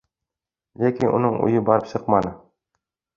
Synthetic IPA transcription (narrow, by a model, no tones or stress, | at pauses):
lʲækʲinʔṵnɤɴṵjɤbɒɾɤpɕɤqmɑnɤ